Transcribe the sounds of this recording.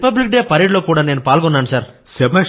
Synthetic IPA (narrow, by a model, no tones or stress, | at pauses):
pɐblik̚ɖeːpɐɾiːɖloːkuːɽaːneːnupaːlkɔnːaːnusaːɾsɛbɐ